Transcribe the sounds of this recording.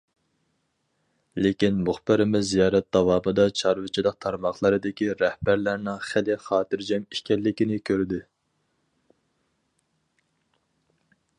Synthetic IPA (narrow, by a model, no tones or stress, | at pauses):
lekʲinmʊχbɪɾɪmɪzːijɑːɾɛt̪̚d̪ɑwɑːmɨd̪ɑt͡ʃʰɑɾvɨt͡ʃʰilˠəq̚t̪ʰɑɾmɑχlˠɨɾɨd̪ɪkʲiɾɛhbæɾlæɾnɪŋχælɪχɑːt̪ɨɾd͡ʒɛmi̥ʃkʲɛlːɪkʲinɪkʲʰøɾd̪ɪ